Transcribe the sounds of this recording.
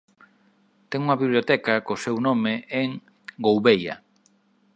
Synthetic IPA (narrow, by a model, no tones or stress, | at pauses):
t̪ɛŋuŋɐβiβljot̪ɛkakosewnomeʔeŋ | ɡowβejɐ̰